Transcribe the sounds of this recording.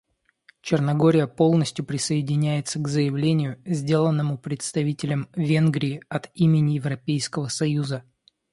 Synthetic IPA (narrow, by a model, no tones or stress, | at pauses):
t͡ɕɪrnɐɡo̞ɾʲɪjəpo̞lˠnəsʲtʲjʊpɾʲɪsəɪdʲɪnʲæjɪt̪səɡzəjɪvlʲenʲɪjʊzʲdʲe̞lˠənːəmʊpɾʲɪt̪st̪ɐvʲitʲɪlʲəmvʲe̞nɡɾʲɪːɐt̪imʲɪnʲɪjɪvɾɐpʲejskəvəsɐjuzə